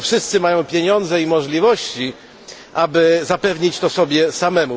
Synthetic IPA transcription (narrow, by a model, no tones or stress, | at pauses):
fʂɘst̪sɘmajɔ̃w̃pʲjeɲɔnd̪zɛimɔʐlʲivɔɕt͡ɕi | ʔabɘzapɛvɲit͡ɕt̪ɔsɔbʲjɛsamɛmu